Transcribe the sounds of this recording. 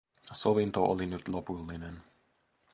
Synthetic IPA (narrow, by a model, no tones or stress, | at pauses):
sovint̪oʔolinyt̪lopulːinen